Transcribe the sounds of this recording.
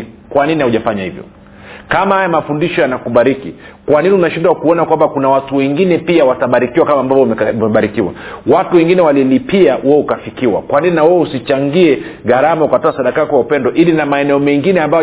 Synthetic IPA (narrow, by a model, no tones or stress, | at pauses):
kwaninihahuʄafaɲahivjɔ̰ | kamahajamafundiʃɔjanakuɓaɾikikwaniniunaʃindwakuɔnakwambakunawatuwɛŋɡinɛpiawataɓaɾikiwakamaːmbavɔmɛɓaɾikiwa̰watuwɛŋɡinɛwalilipiaʔɛɛukafikiwa̰kwanininawɛɛusit͡ʃaŋɡiɛɣaɾamaukatɔasaɗakakɔwaupɛndɔʔilinamaɛnɛɔmɛŋɡinɛambajɔ